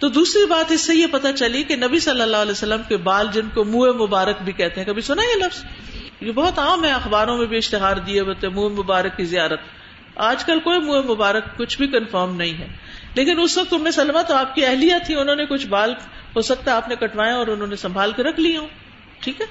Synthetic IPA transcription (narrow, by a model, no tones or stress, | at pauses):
t̪oːd̪uːsɾibaːt̪ɪsːejepɐt̪at͡ʃɐliekenɐbisɐlːəlːaɦɐlɛːsɐlːəmkebaːld͡ʒɪnkomuːemʊbaːɾək̚bʱikɛɦt̪eɦɛ̃kɐbʱisʊnaɡelɐfz̥jebɔɦʊt̪aːmɦɛ̃ɐxbaːɾõmẽbʱiɪʃt̪ɪɦaːɾd̪ieɦoːt̪ẽmuːemʊbaːɾəkːizijaːɾət̪ | aːd͡ʒkɐlkoːimuːemʊbaːɾəkːʊt͡ʃʰbʱikɐnfɔːɾmnɐɦĩɦɛː | leːkɪnʊsʋɐk̚t̪ʊnmẽsɐlmat̪oaːp̚kiɛɦlijat̪ʰːĩʊnɦõːnekʊt͡ʃʰbaːlɦosɐk̚t̪aaːpnekɐʈʰʋaːẽɔːɾʊnɦõːnesɐ̃mbʱaːlkeɾɐkʰliɦõː | ʈʰiːkɦɛː